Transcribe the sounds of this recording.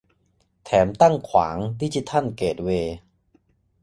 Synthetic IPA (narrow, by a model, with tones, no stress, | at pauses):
t̪ʰɛː˩˦mt̪a˥˩ŋkʰwa̰ː˩˦ŋdiː˧˥˩t͡ɕi˧˦t̪ʰa˥˩nkeː˨˩t̪̚weː˧